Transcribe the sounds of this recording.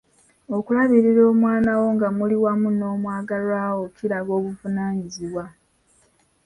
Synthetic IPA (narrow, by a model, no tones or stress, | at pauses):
o̞kulaβiɾiɾo̞ːmwaːnawo̞ŋɡamuliwamuno̞ːmwaːɡalwaːwo̞kʰiɾaɡo̞ːβuvunaːɲiziβwa